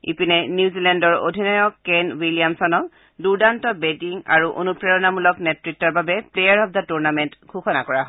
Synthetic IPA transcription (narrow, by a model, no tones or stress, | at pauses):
ḭpinɛnjuzilɛndɔɹo̰dʱinɔjɔkːɛnwiliamsɔnɔk | duɹdantɔbetiŋa̰ɹuʔo̰nupɹɛɹɔnamulɔknɛtɹitːɔɹbabɛplejaɹɦɔb̚datuɹnamɛntɡʰʱuxʰɔna̰kɔɹaɦɔ